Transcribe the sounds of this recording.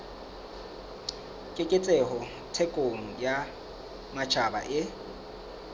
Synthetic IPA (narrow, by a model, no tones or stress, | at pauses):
kʼɪkʼɪt͡sʼɛɦɔ | tʰɛkʼoŋ̩ja | mat͡ʃʰaba̰ʔɪ